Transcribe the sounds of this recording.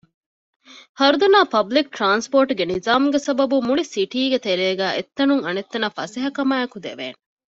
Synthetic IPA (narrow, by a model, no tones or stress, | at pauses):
hɐɾud̪ɐnaːpɐblik̚ʈɾaːnspoːɾʈuɡenizaːmuɡesɐbɐbumuɭisiʈiːɡet̪eɾeːɡæːʔet̪ːɐnuŋɐnet̪ːɐnɐfɐseɦɐkɐmaːɐkud̪ḛʋḛːne